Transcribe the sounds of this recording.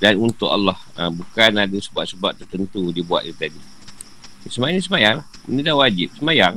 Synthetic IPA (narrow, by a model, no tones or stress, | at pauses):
danunt̪ʊʔa̰lːɑhəbukanadəsəbaʔ̚səbaʔ̚t̪ːərt̪ənt̪udibua̰t̪̚ɡit̪adi | səmajanis̬əmajaŋlahmənidahwad͡ʒɪp̚səmajaŋ